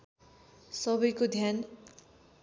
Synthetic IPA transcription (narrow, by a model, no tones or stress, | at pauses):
sʌbʌjkod̪ʱjan